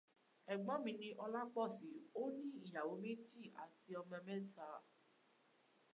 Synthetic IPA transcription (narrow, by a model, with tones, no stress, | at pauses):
ɛ˨ɡ͡bɔ̃˨˦mĩ˧˦nĩ˧ʔɔ˧la˦k͡pɔ˦˨si˨˦o˦nĩ˦i˦˨ja˨wo˨˦me˦d͡ʒi˦˨a̰˨ti˧ɔ˧mɛ̃˧mɛ̃˦ta˧˦